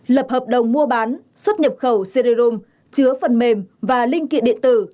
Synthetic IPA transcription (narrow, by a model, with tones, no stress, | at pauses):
ləː˨˩p̚həː˨˩p̚ɗə˨˩wŋ͡mmu˧əɓaː˨˦nswə˦˥t̚ɲə˨˩p̚xə˧˩wse˧ɗe˧zo˧m | t͡ɕɨ˨˦əfə˨˩nme˨˩mvaː˨˩lï˧ŋ̟kḭ˧˨ɗḭ˧˨ənt̪ɨ˧˩